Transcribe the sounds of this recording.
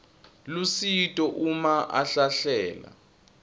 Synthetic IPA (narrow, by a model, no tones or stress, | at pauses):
lusitʼɔʔumaʔa̰ɬaɬɛːla̰